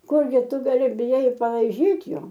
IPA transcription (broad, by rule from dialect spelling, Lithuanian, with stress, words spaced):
ˈkʊrʲɡʲɪ ˈtʊ ɡɐˈlʲɪ bʲɪˈjɛɪ ɪ pɐlˠɐɪˈʒʲiːtʲ ˈjoː